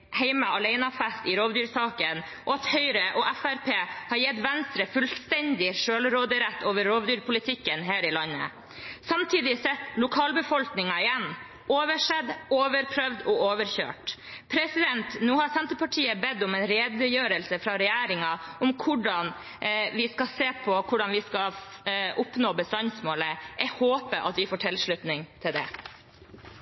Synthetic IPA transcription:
hɛɪmɑɑlæɪnɑfæst̪ɪɾoːʋd̪yːɾsɑːkən | ʔɔɑt̪hœʏɾəʔɔʔæfæɾpʰeːhɑɾjɛt̪ʋɛnst̪ɾəfʉlst̪ɛnd̪ɪʂøːlɾoːd̪əɾɛt̪ːoːʋəɾɾoːʋd̪yːɾpʰʊlɪt̪ʰɪkːənɦæːɾɪlɑnːə̰ | sɑmt̪ʰiːd̪ɪsɛt̪ːlʊkʰɑːlbəfɔlknɪŋɑɪjɛnː | oːʋəʂɛd̪oːʋəɾpʰɾœʋd̪ɔoːʋəɾçø̰ːʈpʰɾɛsɪd̪ɛnt̪nuːhɑɾsɛnt̪əpɑʈʰiːəbɛd̪ɔmɛnɾeːd̪əjøːɾəlsəfɾɑɾɛjæːɾɪŋɑɔmkʰʊɖɑn | ʋɪskɑseːpʰɔkʰʊɖɑnʋɪskɑʔʊpnoːbəst̪ɑnsmoːləʔɛhoːpəʔɑ̰t̪ʋɪfoːʈʰɪlʂɭʉt̪nɪŋt̪ʰɪld̪ɛ̰

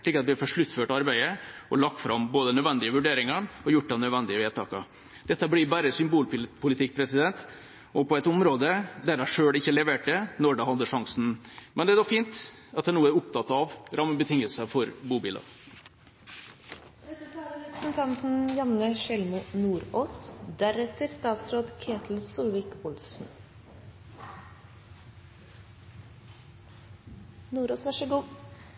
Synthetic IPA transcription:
ɭɪkəɾɑt̪ʋɪæɾfɔʂɭʉt̪ːføːʈɑɾbæɪəɔlɑk̚t̪fɾɑmboːd̪ənœd̪ʋɛnd̪ɪəʋʉɖeːɾɪŋəɳɔjʊʈ̚ːd̪ɛnœd̪ʋɛnd̪ɪəʋeːd̪t̪ʰɑ̰ːkɑ̰ | d̪̥ɛt̪ːəblɪbæːɾəsʏmbuːlppʰʊlɪt̪ɪk̚ːpʰɾɛsɪd̪ɛnt̪ | ɔpɔɛt̪ʊmɾoːd̪əd̪æɖæʂøːɽɪçːəlɛʋeːʈ̚d̪ɛnɔɖɛhɑd̪ːəʂɑŋsn̩mʔɛnd̪ɛæɖ̪ɔfiːnt̪ɑt̪d̪ænuːəæɾʊp̚t̪ʰɑt̪ːɑʋɾɑməbət̪ʰɪŋəlsəfɔɾbuːbiːlɑ̰ | t̪ʰːɾɛpɾəsn̩t̪ʰɑnt̪n̩jɑnəʃɛlmʊnuːɾoːsd̪æɾɛt̪ʰəɾst̪ɑːt̪sɾoːd̪kʰeːt̪ʰl̩suːlʋɪkʊlsn̩ | nuːɾoːsʋæʂəɡuː

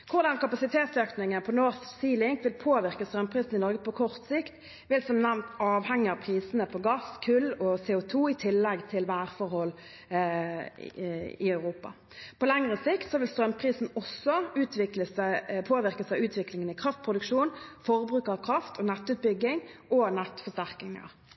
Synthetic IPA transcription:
kʰʊʁd̪ɑnkɑpɑsɪt̪ʰeːt̪søːknɪŋənpʰɔnoːʁssiːlɪŋkʋɪlpʰoːʋɪʁkəst̪ʁœmpʰʁiːsn̩ɪnɔʁɡəpʰɔkʰɔʁt̪sɪkt̪ | ʋɪlsɔmnæʋnt̪ɑːʋhɛŋːɪɑpʰʁiːsnəpʰɔɡɑskʰʉlːɔseːʊt̪ʰuːɪt̪ʰɪlːɛɡt̪ʰɪlʋæːɾfɔʁhɔlː | ɪœʉʁuːpɑ̰ | pʰɔlɛŋʁəsɪkt̪sɔʋɪlst̪ɾʁœmpʰʁiːsn̩ɔsɔʉːt̪ʋɪkləspʰoːʋɪʁkəsɑʉːt̪ʋɪklɪŋənɪkʰʁɑft̪̚pʰʁʊd̪ʉkʃuːnfɔʁbɾʉːkəʁɑʋkʰʁɑft̪ʰɔnɛt̪ːʉːt̪̚bʏɡɪŋʔɔnɛt̪fɔst̪æʁkɪŋə̰ʁ

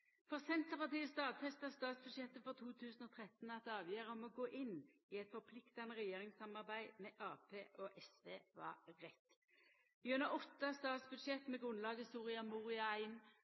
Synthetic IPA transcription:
fɔsɛnt̪əʁpɑʁt̪iːəst̪ɑːd̪fɛst̪əst̪ɑːt̪sbʉd̪ʃjɛt̪ːəfɔʁt̪ʰuːt̪ʰʉːsnoːt̪ʰʁɛt̪n̩ɑt̪ɑːʋjøːʁəɔmɔɡoːʔɪnːiɛt̪fɔʁpʰlɪkt̪ɑnəʁɛjeːʁɪŋsɑmɑʁbæɪmɛʔɑːpʰeːʔɔʔɛsʋeːʋɑ̰ʁɛt̪ː | iːʉnəʔɔt̪ːəst̪ɑːt̪sbʉd̪ʃɛt̪ːmɛɡʁʉnlɑːɡəsuːʁɪɑmuːʁɪɑæɪn

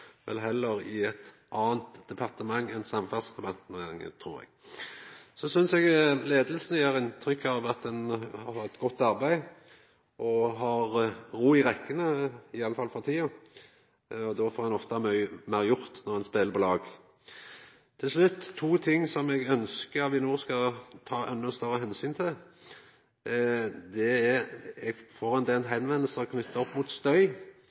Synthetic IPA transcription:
ʋɛ̰lɦɛlːəɾɪɛt̪ | ʔɑːənt̪d̪̥ɛpʰɑʁt̪əmɑŋːɛnsɑmfæʁsd̪ɛpɑʁt̪əmɑŋːə̰t̪ʰɾṵːʁɛ̰ɡ̥ | sɔsʏnsɛɡleːd̪əlsnəjeːʁɪnt̪ʰʁʏkːɑʋɑt̪̚d̪ɛnhɑɑɛt̪ɡɔt̪ːɑʁbæɪ | ʔɔɦɑʁʁuːɪʁɛkːənəɪɑlːəfɑlfɔʁt̪ʰiːɑ | ɔd̪ɔfɔːʁɛnɔft̪ɑmœmæʁjʊʁt̪nɔʁɛnspeːləɾpʰɔlɑːɡ | t̪ʰːɪlʂɭʉt̪ʰːuːt̪ʰɪŋːsɔmɛɡœnskəʋɪnuːskɑlɔt̪ʰɑːʔɛnːʊst̪œɾəɦɛnsyːnt̪ʰɪl | d̪ɛɛɛɡfoʁɛnd̪eːnɦɛnʋɛnəl̩səɔkʰnʏt̪ːɑɔpːmut̪st̪œʏ

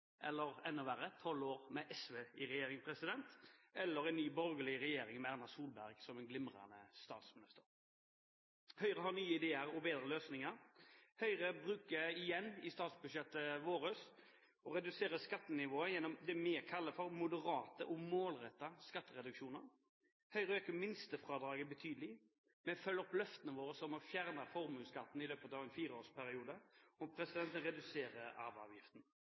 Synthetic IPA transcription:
ʔɛ̰lːəɾɛnːʊʋæɾət̪ʰɔloːɾmɛʔɛsʋeːɪɾɛjeːɾɪŋpʰɾɛsɪd̪ɛnt̪ɛlːəɾɛɪnnːyːbɔɾɡəlɪɾɛjeːɾɪŋmɛæʁnɑsuːlbæʁɡsɔmɛnɡlɪmʁɑ̰nə̰st̪ɑ̰ːt̪smɪnɪst̪əɾ | hœʏʁəhɑnyːəɪd̪eːəɾɔbeːd̪ɾəløːsnɪŋəɾhœʏʁəbɾʉːkəɪjɛnːɪst̪ɑːt̪sbʉd̪ʃɛt̪ːəʋoːɾəs | ɔɾɛd̪ʉseːɾəskɑt̪ːənɪʋoːəjɛnːɔmd̪ɛmɛːkʰɑlːəfɔɾmʊd̪əɾɑːt̪əʔɔmoːlɾɛt̪ːɑskɑt̪ːəɾɛd̪ʉkʃuːnəɾ | hœʏɾəøːkəmɪnst̪əfʁɑːd̪ɾɑːɡəbət̪ʰyːd̪lɪ | mɛfœlːəɔplœft̪ənəʋoːɾəsɔmɔfjæʁnəfɔɾmʉːlskɑt̪ːn̩ɪløːpət̪ɑːʋɛnfiːɾəoːspʰæɾɪuːd̪əɔpʰɾɛsɪd̪ɛnt̪ənɾɛd̪ʉseːɾəɑ̰ːʋɑ̰ːʋjɪft̪n̩

